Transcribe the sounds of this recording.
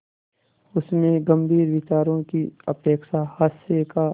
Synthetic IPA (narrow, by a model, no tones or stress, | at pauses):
ʊsmẽɡɐmbʱiːɾʋɪt͡ʃaːɾõkiɐ̰peːkʃahəseka